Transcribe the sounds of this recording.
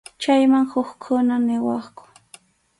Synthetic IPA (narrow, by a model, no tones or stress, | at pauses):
t͡ʃajmaŋhʊχkʰʊnanɪwɑχkʊ̥